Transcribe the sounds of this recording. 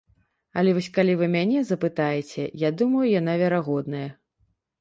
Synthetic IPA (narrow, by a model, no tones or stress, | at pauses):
ɐlʲɛvɔsʲkalʲivɨmʲanʲɛzɐpɨt̪ajɛt͡sʲɛjad̪umɐjujan̪avʲɛɾaɣɔd̪nɐjɐ